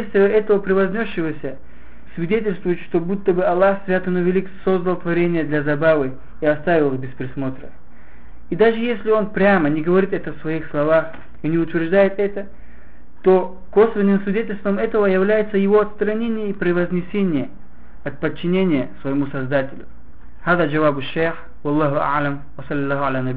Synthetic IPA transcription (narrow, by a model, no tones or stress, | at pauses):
sʲt̪ʲɪvəɛt̪əvəpɾʲɪvɐzʲnʲoʂːɨvəsʲə | svʲɪdʲetʲɪlʲst̪vʊjɪt̪ʂt̪o̞but̪ːəbɨɐlˠːaxsvʲat̪ənɨvʲɪlʲikso̞zd̪əlˠt̪vɐɾʲenʲɪjəd̪lʲɐzɐbavɨ | iɐst̪avʲɪlˠɨxbʲɪspɾʲɪsmo̞t̪ɾə | id̪aʐɨjesʲlʲɪo̞npɾʲamənʲɪɡəvɐɾʲit̪ɛt̪əfsvɐixslˠɐvax | inʲɪʊt̪vʲɪrʐd̪ajɪt̪ɛt̪ə | t̪o̞ | ko̞svʲɪnːɨmsvʲɪdʲetʲɪlʲst̪vəmɛt̪əvəjɐvlʲæjɪt̪səjɪvo̞ɐt̪st̪ɾɐnʲenʲɪjəipɾʲɪvɐzʲnʲɪsʲenʲɪjə | ɐt̪̚pət͡ɕːɪnʲenʲɪjəsvəjɪmusɐzd̪atʲɪlʲʊ | haðəd͡ʒɐvabɨʃːejx | wɐlˠːɑɦʊa̰ʕləm | wɐsɐlʲːɪlːˠaɦalanɐbi